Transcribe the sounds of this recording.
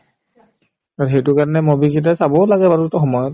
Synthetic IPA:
aɹxejtʊkaɹɔnɛmobikit̬asabɔlaɡɛbatutɔxɔmɔjɔt

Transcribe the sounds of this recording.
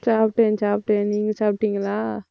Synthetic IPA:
saːpʈẽːnt͡ʃaːp̚ʈẽːniːŋɡɐsaːp̚ʈːiŋɡɐlaː

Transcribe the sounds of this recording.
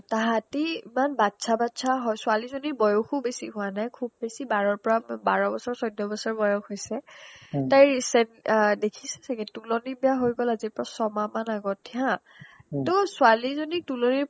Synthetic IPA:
taɦatiimanbatsʰabatsʰaɦɔjsʊalizonibɔjɔxubesḭɦʊanajkʰub̚ːesibaɹɔɹpɔɹabaɹɔbɔsɔɹsɔjdɔbɔsɔɹbɔjɔxhojsɛtajɹisɛndekʰisɛ̥saɡɛtulɔnibijaɦojɡɔlazipɹɔsɔmamanaɡɔtʰã | tɔsualizonitulɔniɹ

